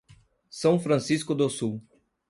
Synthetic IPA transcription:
sɐ̃w̃fɾɐ̃siskʊd̪osuw

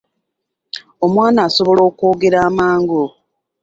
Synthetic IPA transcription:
omwaːnaːso̞βo̞lo̞ːkoːɡe̞ɾaːmaːŋɡo

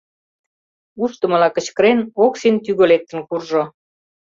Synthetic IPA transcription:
uʃt̪ə̆mə̆lɑkə̆t͡ɕkəɾenoksint̪yɣølek̚t̪ə̆nkurʒo

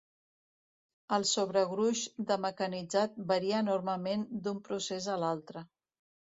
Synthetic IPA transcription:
əlˠsoβɾəɣɾuʒd̪əməkənid͡zat̪̚bəɾiəːnoɾməmend̪umpɾusezəlalˠt̪ɾə

